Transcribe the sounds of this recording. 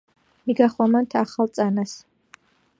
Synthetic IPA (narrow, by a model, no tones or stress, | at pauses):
miɡaχʷɐmɐntʰaχɐlt͡sʼanɐs